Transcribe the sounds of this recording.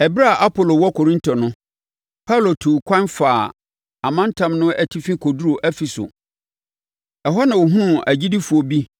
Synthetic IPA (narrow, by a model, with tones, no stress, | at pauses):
ɛ˨bɾa˦˨ʔa˦pʰo˨lo˨wɔ˦kʰo˨ɾĩ˦ntʰɔ˨nʊ̃˦ | pʰa˦˨lo˨tʰu˨kʷʰã˦nfaː˨ | a˨mã˦n˦tʰã˨mnʊ̃˦ʔɛ˨tʰi˦fĩ˦kʰo˨du˦ɾo˨ʔæ˦fi˨sʊ̰˨ | ɛ˨ɦɔ˦nã˨wʊ˨ɦũ˦˨æ˨d͡ʑi˦di˦fu˨o˨bi˦